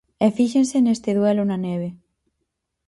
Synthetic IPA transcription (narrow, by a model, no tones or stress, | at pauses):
ɛfiʃẽnsenest̪ɪðwɛlʊnɐneβ̞e